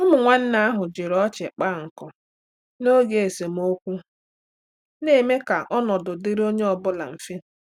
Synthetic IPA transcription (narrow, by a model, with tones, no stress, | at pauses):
ʊ˦mʊ˨ŋʷa˦n̩˦na˦a˦ɦʊ˨d͡ʒɪ˨ɾɔ˦t͡ʃɪ˨k͡pa˦˨ŋ̩˨kɔ˨ | no˦ɡe˨e˨se˨m̩˨o˦kʷu˦ | ne˦˨me˦ka˨ʔɔ˦nɔ˨dʊ˨dɪ˦ɾi˦o˦ɲe˦ɔ˨bʊ˦la̰˨m̩˨fi˦˨